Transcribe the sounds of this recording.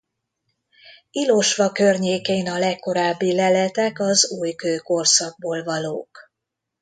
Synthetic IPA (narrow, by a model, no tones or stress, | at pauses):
ilo̞ʃʋɒkørɲeːkeːnɒlɛkːo̞ɾaːbːilɛlɛt̪ɛkɒzuːjkøːko̞rsɒɡ̚boːlvɒloːk